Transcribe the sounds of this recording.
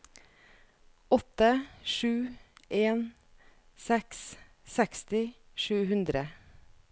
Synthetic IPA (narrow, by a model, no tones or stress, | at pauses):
ɔt̪əʃʉːʔeːn | sɛks | sɛkst̪ɪ | ʃʉːhʉnd̪ɾə